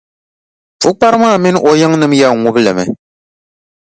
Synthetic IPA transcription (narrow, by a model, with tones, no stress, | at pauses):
fʊ˦k͡pa˦ɾɨ˦maː˦˨mɪ˦n˦ʔɔ˨jɨ˦ŋ˦nɨ˨˦mja˦˨ŋʊ˦bɨ˦lɨ˨mɛ̰˨